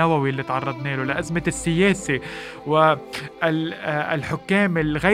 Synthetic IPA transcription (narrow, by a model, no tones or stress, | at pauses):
awawilːit̪ʕɑrˤːɑd̪ˤneːlʊlɪʔazmɪsːɪjeːsi | wɪ | ɪ̰lħʊkːeːmɪlɣa